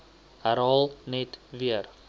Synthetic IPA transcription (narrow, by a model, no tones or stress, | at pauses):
æɾɑːlˠnɛtviər